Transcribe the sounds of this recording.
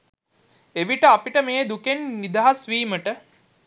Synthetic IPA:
eʋiʈəapiʈəmeːd̪ukenːid̪aɦasʋiːməʈə

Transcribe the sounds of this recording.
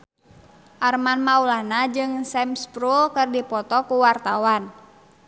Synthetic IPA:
ʔarmanmaulahnad͡ʒɨŋsɛmspɾulkɨrdipɔt̪ɔkuwart̪awan

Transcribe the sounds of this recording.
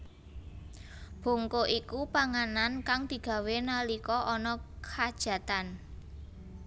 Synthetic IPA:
b̥o̤ŋkoʔikupaŋanankaŋd̪̥i̤ɡ̥ä̤wenalikɔʔɔnɔkʰad̥ʒ̥ä̤t̪an

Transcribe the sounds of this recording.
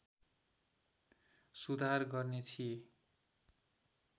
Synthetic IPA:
sud̪ʱarɡʌrnet̪ʰije

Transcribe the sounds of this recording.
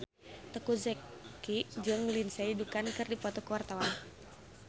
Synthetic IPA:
t̪əkuzɛkːid͡ʒɨŋlinsɛidukankɨrdipɔt̪ɔkəwart̪awan

